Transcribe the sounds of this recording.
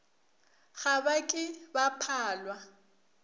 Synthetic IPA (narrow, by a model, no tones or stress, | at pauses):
ɣabakʼɪbapʰaːlwa